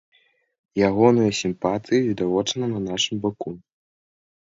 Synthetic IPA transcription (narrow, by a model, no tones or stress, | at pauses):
jaɣɔnɨjɐsʲimpat̪ɨjivʲid̪avɔt͡ʂɐnɐnɐnaʂɨmbaku